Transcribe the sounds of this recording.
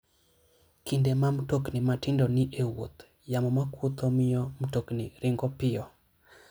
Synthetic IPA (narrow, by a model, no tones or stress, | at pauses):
kindemamtoknimatɪndoniʔewot̪ | jamɔmakut̪omɪjɔm̩toknḭɾɪŋɡɔpɪɔ